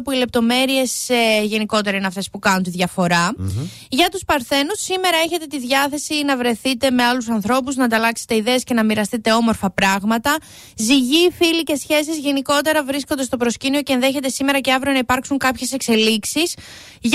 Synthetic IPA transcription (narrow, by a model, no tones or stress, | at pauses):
puile̞p̚t̪o̞me̞ɾie̞sʝe̞niko̞t̪e̞ɾɐineɐft̪e̞spukɐnunt̪iðʝɐfo̞ɾɐ | ʝɐt̪uspɐɾθe̞nusːime̞ɾɐe̞çe̞t̪e̞t̪iðʝɐθe̞sinɐvɾe̞θit̪e̞me̞ɐlusɐnθɾo̞puznɐd̪ɐlɐkset̪e̞iðe̞ːsce̞nɐmiɾɐst̪it̪e̞o̞mo̞ɾfɐpɾɐɣmɐt̪ɐ | ziʝifilice̞sçe̞sizʝe̞niko̞t̪e̞ɾɐvɾiskond̪est̪o̞pɾo̞scinio̞ce̞enðe̞çe̞t̪e̞sime̞ɾɐce̞ɐvɾionɐipɐɾksuŋkɐpçe̞se̞kse̞liksis | ʝ